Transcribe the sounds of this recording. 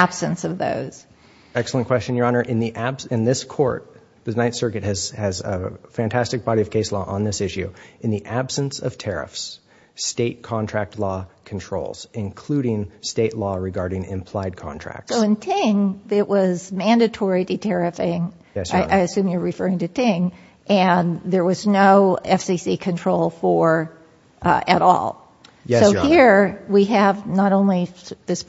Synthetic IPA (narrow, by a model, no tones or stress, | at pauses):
æb̥sɨ̃nsʌvðo̰ʊz̥ | ɛksl̩ˠə̃nkʰw̥ɛst͡ʃɨ̃njə˞ɑnə˞ʔɨ̃nðiʔæb̥sɨ̃nðɪskʰɔ̰ɹt̪̚ | ðɨnãɪ̃nsɜ˞kɨt̚hɨzɨzə̰fæ̃ntʰæstɨk̚b̥ɑɾiʌv̥kʰeɪslɔʔə̃nðɪsɪʃʉɨ̃nðiʔæb̥sɨ̃nsʌv̥tʰɛɹɪ̰fs | steɪt̚kʰɑ̃ntʰɹ̥æk̚tʰˡlɔkʰn̩tʰɹ̥oʊlˠz̥ɨ̃nkʰl̥ʉɾɪ̃ŋsteɪʔˡlɔɹɨɡɑɹɾɪ̃ŋɪ̰̃mpʰl̥aɪd̚kʰɑ̰̃ntʰɹ̥æ̰k̚tssoʊɨ̃ntʰɪ̃ŋðɪʔwʔʌzmæ̃ndɨtʰɔɹidɨtʰɛɹɨfɪ̃ŋ | ɛsaɪʔaɪɨsʉ̃mjə˞ɹɨfɜ˞ɪ̃ŋtɨtʰɪ̃ŋ | ʔɨ̃nðə˞wʌznoʊɛfsisikʰɨ̃ntʰɹ̥oʊlˠfə˞ | ʔɨ̰ɾɔ̰lˠ | jɛsoʊhiɹwiɨvnəɾõʊ̃nliðɪs